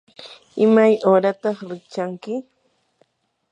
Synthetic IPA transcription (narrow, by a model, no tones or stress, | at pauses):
ɪmajoːɾat̪ɑχɾɪk̚t͡ʃaŋkɪ